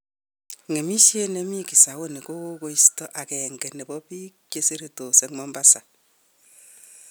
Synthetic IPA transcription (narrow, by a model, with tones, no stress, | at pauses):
ŋe˨mi˦sje˦nɛ˦mi˦ki˨sa˨wo˦ne˨ko˦ko˦ko˦i˦stɔ˦ʔa˨kɛ˨ŋɡɛ˨nɛ˨bɔ˦pi˦kke˦se˦ɾe˨to˨se˨ŋmɔ˦mba˦sa˨